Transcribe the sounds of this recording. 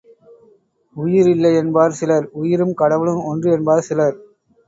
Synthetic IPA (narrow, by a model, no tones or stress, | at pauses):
ʊjɪɾɪlːɐɪɛnbaːɾsɪlɐɾʊjɪɾɯmkɐɽɐʋɪlɯmɔndrɯɛnbaːɾsɪlɐɾ